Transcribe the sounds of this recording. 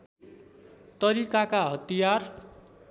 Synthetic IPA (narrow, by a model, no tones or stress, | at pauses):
t̪ʌɾikakaɦʌt̪ijar